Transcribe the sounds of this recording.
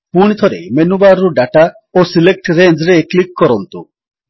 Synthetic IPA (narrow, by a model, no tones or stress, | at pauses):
puɽ̃it̪ʰɔɾḛmenubaɾːuɖaʈa | osilek̚ʈɾend͡ʒɾeklikːɔɾɔnt̪u